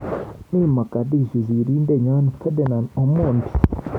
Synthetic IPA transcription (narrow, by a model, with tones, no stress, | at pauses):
niː˦ma˨ɡa˨di˦˨ʒi˨zi˨ɾi˦nde˦˨ɲa˦ni˨kʰe˦de˨na˨no˨muː˦˨ndi̥˨